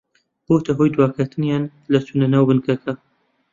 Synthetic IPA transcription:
bot̪ʰɐɦojd̪waːkʰɐt̪ʰɨnjaːn | lɐsʰunɐnɐwbɨnkʰɐkʰɐ

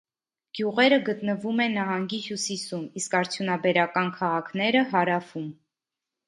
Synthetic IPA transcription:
ɡ̥juʁɛɾəɡət̪nəvumɛnɑɦɑŋɡihjusisumiskɑɾt͡sʰjunɑbɛɾɑkɑnkʰɑʁɑkʰnɛɾəɦɑɾɑfum

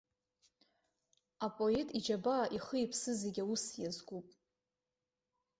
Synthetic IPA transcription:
apʼo̞etʼid͡ʒabaːʔiχəjipʰsɨzeɡʲausjazɡʷupʼ

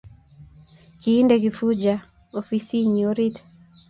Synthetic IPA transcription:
kiːndeɡifud͡ʒa | ofisiɲoɾit̪

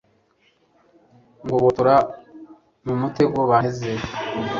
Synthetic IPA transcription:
ŋɡoβotuɾa | mumuteɡoβaneze

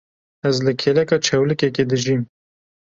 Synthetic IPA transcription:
æzlɨkʰeːlɛkɑːt͡ʃʰɛwlɨkɛked̪ɨʒiːm

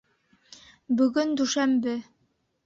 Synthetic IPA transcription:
bɵ̆ɡɵnd̪ʉʃæmbɘ

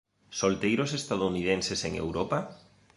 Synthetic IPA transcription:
solt̪ejɾosest̪aðouniðenseseŋḛwɾopa

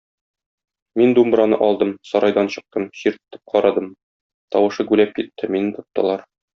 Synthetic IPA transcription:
mind̪umbɾɑnɤ̰ʔɒlˠd̪ɤmsɒɾɑjd̪ɑnɕɤ̆q̚t̪ɤmɕiɾt̪̆t̪ːɤ̥p̚qʰɒɾɑd̪ɤm | t̪ɒwɤ̆ʃɤɡʉlæp̚kit̪ʰːɘmint̪ŏp̚t̪ɤ̰̆lˠɑɾ

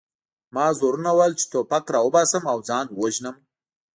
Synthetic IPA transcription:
mɑzoɾunawajlt͡ʃɪ̥t̪opakɾɑwʊbɑsəmawd͡zɑːnwoʒnəm

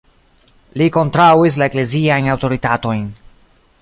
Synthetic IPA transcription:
liko̞ntɾawis̬lae̞kle̞ziajnawto̞ɾitato̞jn

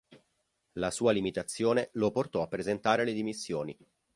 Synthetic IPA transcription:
lasuːalimit̪at̪sːjoːneloport̪ɔapːɾezent̪aːɾeled̪imisːjoːni

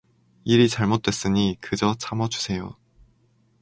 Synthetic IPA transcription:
iɾit͡ɕaɭmot̚t͈we̞s͈ɯɲikɯd͡ʑʌt͡ɕʰamʌd͡ʑu̥sʰe̞jo̰

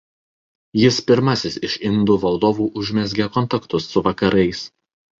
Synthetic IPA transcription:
jɪspʲɪɾmɐsʲɪsɪʃʲɪnd̪ʊʋɐlˠd̪oːʋuːʔʊʒʲmʲɛzʲɡʲekɔnˑt̪ɐkt̪ʊsːʊʋɐkɐɾʔɐɪs

